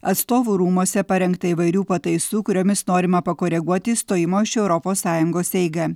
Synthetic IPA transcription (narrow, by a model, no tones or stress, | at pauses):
ɐt̪st̪oːʋuːɾuːmɔsʲɛpɐɾʲɛŋkt̪ɐɪʋɐɪɾʲuːpɐt̪ɐɪsuːkʊɾʲoːmʲɪsnoːɾʲɪmɐpɐkoːɾʲɛɡuɔt̪ʲɪst̪oːjɪmoːɪʃɛʊɾɔpoːsːɑːjʊŋɡoːsɛɪɡɐ